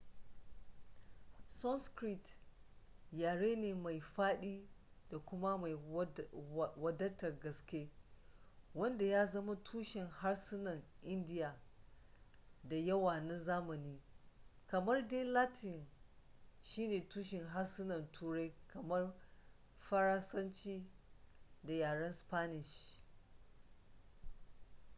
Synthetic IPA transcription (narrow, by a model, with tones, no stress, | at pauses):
sɔ˦nskɾi˦t | jaː˨ɽeː˦neː˨ma˨jɸaː˦ɗiː˦ | da˨kʷʊ˦ma˦ma˨j | wɐ˦dɐ˦tɐ˨rɡɐ˨skʲe˦ | wɐ˦nda˨jaː˦zɐ˦ma˦tʰuː˦ʃɪ˨ŋha˦rsɪ˦nɐ˨ŋʔɪ˦ndɪ˦jaː˨ | da˨jɐ˦waː˨nɐ˦nzaː˦mɐ˨niː˦kɐ˨mɐ˦rde˦laː˦tɪ˨n | ʃiː˦neː˨tuː˦ʃɪ˨ŋɦa˦rsɪ˦nɐ˨ntʰuː˦ɾa˦jkɐ˨mɐ˦r | ɸɐ˦ɾɐ˦sɐ˦nt͡ʃiː˦ | da˨jaː˨ɽɐ˦nspaː˦nɪ˨ʃ